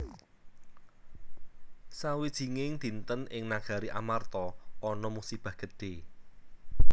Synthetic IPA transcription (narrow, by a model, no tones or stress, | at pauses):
sawid̥ʒ̥i̤ŋɪŋd̪̥i̤nt̪ənɪŋnaɡ̥a̤ɾiʔa̰mart̪ɔɔnɔmusib̥a̤hɡ̥əd̥e̤